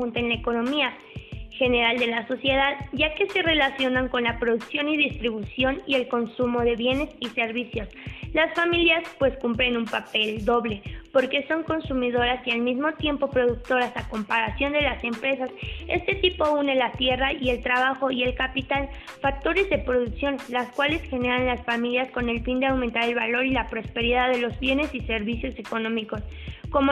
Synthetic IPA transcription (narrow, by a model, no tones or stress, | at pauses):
unt̪enlaeko̞no̞mia | xe̞ne̞ɾald̪e̞laso̞sje̞ðaðɟ͡ʝake̞se̞re̞lasjo̞naŋko̞nlapɾo̞ðuksjo̞niðist̪ɾiβ̞usjo̞nie̞lko̞nsumo̞ðe̞βje̞ne̞sise̞ɾβisjo̞slasfamiljaspwe̞skumpɾe̞numpape̞ld̪o̞βle̞po̞ɾke̞so̞ŋko̞nsumiðo̞ɾasialmizmo̞t̪je̞mpo̞pɾo̞ðuk̚t̪o̞ɾasako̞mpaɾasjo̞nd̪e̞lase̞mpɾe̞sase̞̰st̪e̞t̪ipo̞une̞lat̪je̞raie̞lt̪ɾaβaxo̞ie̞lkapit̪al | fak̚t̪o̞ɾe̞zðe̞pɾo̞ðuksjo̞nlaskwale̞sxe̞ne̞ɾanlasfamiljasko̞ne̞lfind̪eawment̪aɾe̞lβalo̞ɾilapɾo̞spe̞ɾiðaðe̞lo̞zβje̞ne̞sise̞ɾβisjo̞se̞ko̞no̞miko̞sko̞mo